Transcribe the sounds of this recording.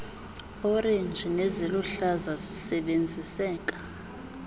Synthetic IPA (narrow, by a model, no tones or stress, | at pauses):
ɔrend͡ʒʱinɛzeluɬazazisɛɓend͡zʱisɛːk̬ʼḁ